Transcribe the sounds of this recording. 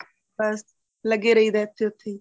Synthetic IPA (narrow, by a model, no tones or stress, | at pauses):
bəs | ləɡeːɾəiːd̪ɛːt̪ʰːeːʊt̪ʰːeː